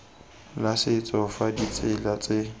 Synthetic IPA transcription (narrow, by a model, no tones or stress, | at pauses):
lasɪt͡sʼɔfadit͡sʼɪlat͡sʼɪ